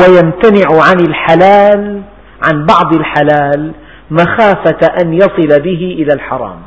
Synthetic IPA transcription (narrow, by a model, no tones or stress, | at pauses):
wajamt̪anɪʕʕanɪlħalaːl | ʕanbɑʕd̪ˤɪlħalaːl | maxaːfaʔanjɑsˤɨlabɪɦɪʔɪlalħɑɾˤɑ̰ːm